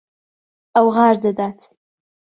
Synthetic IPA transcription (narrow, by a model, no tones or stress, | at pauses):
awɣɑːɾd̪əd̪ɑt̪